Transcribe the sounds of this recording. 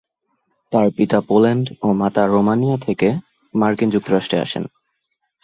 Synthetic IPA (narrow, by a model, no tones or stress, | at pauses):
t̪aɾpit̪apolaɳɖomat̪aɾomanijat̪ʰeke | maɾkind͡ʑuk̚t̪oɾaʃʈɾea̰ʃḛn